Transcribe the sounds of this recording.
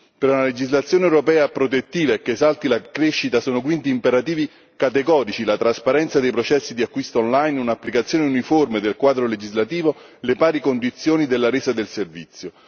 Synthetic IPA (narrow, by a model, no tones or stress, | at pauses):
peɾunaled͡ʒizlat̪sjoːnewɾopɛːapɾot̪et̪ːiːvaekːeːsalt̪ilakɾeʃːit̪asoːnok̬wint̪iːmpeɾat̪iːvi | kat̪eɡɔːɾit͡ʃilat̪ɾaspaɾɛnt̪sad̪ejpɾot͡ʃɛsːid̪iakːwist̪aɔnlajnunapːlikat̪sjoːneuniformed̪elkwaːd̪ɾoled͡ʒizlat̪iːvo | lepaːɾikond̪it̪sːjoːnid̪elːaɾeːsad̪elservit̪sːjo